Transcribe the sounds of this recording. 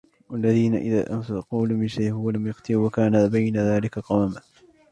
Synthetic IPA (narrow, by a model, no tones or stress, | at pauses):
walːaðiːna̰ʔɪ̰ðaːʔamsaquːlamɪʃajhwalamjɑqt̪ɨwakaːnabajnaðaːlɪkaqɑwama